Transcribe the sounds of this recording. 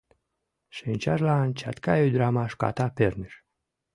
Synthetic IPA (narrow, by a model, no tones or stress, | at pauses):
ʃenʲt͡ʃaʒlant͡ʃa̰t̪kajed̪ɾamaʃka̰t̪apeɾniʃ